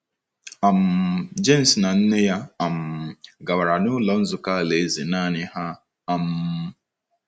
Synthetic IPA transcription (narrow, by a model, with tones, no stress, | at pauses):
a˨m̩˨d͡ʒe˦n̩˨sna˨n̩˦ne˦ja˦a˨m̩˨ɡa˨wa˨ɾa˨nʊ˦lɔ˨n̩˦zʊ˨ka˦˨le˨˦ze˨naː˦˨nɪ˦ha˦ | a˨m̩˦